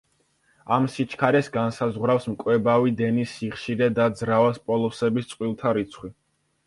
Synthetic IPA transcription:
amsit͡ʃʰkʰaɾɛsɡansazʁwɾafsmkʼwɛbavid̪ɛnisiχʃiɾɛd̪ad̪zɾavaspʼɔlˠɔsɛbist̪sʼqʼwilˠt̪ʰaɾit̪sʰχwi

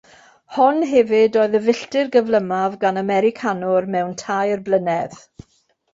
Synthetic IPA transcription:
hɔnɦɛvɪdoːɨðəvɪɬtɪrɡəvlˠəmavɡanamɛɾɪkʰanʊrmɛwntʰajərblˠənɛð

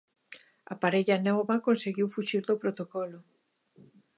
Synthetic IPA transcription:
a̰paɾeʎanɔβɐkonseɣiwfuʃiɾðopɾot̪okɔlʊ

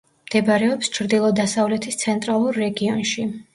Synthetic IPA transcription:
md̪̥ɛbaɾɛɔpst͡ʃʰɾd̪ilˠɔd̪asavlɛt̪ʰist̪sʰɛnt̪ʼɾalˠuɾːɛɡiɔnʃi

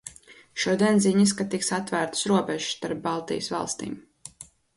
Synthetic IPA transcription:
ʃuɔd̪iɛnziɲiskat̪iksat̪væːɾt̪sɾuɔbɛʒ̥st̪aɾp̚bɑlˠt̪ḭjsvɑ̰lˠst̪ḭːm

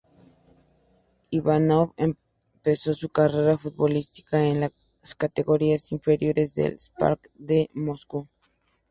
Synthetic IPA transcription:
iβanoβem | pe̞so̞sukare̞ɾafut̪̚βo̞list̪i̥kaenla | skat̪e̞ɣo̞ɾiasiɱfe̞ɾjo̞ɾe̞zðḛlspa̰ɾk | d̪emosku

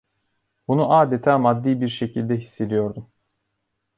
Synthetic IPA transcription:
bunuʔaːd̪et̪ʰaːmad̪ːiːbiɾʃe̞cʰilʲd̪ɛɦisːe̞d̪ijo̞ɾd̪um

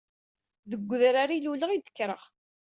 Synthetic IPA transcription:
ðəɡʷːðɾaɾiluləʁid̪ə̥kːɾəʁ

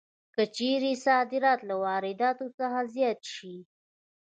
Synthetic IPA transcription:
kət͡ʃeɾesɑd̪ɪɾɑt̪lawɑɾɪd̪ɑt̪ot͡saxazjɑt̪ʃi

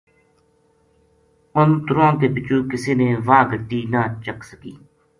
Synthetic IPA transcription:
ʊnt̪ʊɾãːkeːpɪt͡ʃuːkɪsiːneːʋaːɡʱət̪iːnaːt͡ʃəksəkḭː

